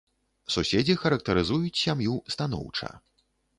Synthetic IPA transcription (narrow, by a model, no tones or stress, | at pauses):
susʲed͡zʲixɐɾɐk̚t̪ɐɾɨzujut͡sʲsʲamjust̪an̪ɔ̰wt͡ʂɐ̰